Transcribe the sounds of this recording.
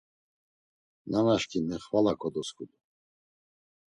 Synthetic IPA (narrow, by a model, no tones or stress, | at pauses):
nanaʃkʼinɛχvalakʼɔd̪ɔskʰʼud̪u